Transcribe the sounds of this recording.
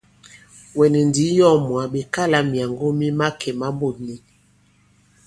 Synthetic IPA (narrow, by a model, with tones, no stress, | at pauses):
wɛ˨nɛ˨ndi˨˦jɔ˦mwa˨ɓe˨ka˦la˦mja˨ŋɡo˦mi˦ma˦kʰɛ˨ma˦bo˨ni˨